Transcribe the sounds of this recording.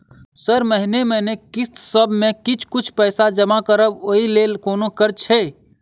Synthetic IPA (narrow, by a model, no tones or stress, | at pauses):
səɾməɦineməɦnekist̪səbʱmẽkit͡ʃʰkut͡ʃʰpəɪsad͡ʒəmakəɾəboilelkonokəɾt͡ʃʰɛ